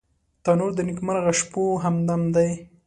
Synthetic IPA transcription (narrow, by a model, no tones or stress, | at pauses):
t̪ɑnoɾd̪ənikmaɾɣaʃpoɦamd̪amd̪aj